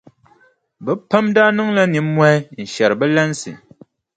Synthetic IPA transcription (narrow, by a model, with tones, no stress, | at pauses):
bə˦pə˦mda˦nu˦ŋla˦ni˨˦mwɛ˦n̩˨ʃɛ˨ɾbɛ˦lɛ˦nsḭ˨